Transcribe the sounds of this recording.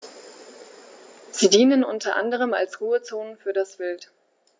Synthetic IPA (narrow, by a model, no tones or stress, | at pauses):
z̥iːdiːnənʔʊntɐʔa̰ndəʁ̞əma̰lsʁuːət͡soːnəfyːɐdasv̥ɪlt